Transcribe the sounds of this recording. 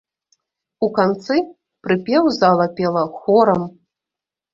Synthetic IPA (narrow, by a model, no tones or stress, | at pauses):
ukant̪sɨ | pɾɨpʲɛwzalˠɐpʲɛlˠɐxɔɾɐm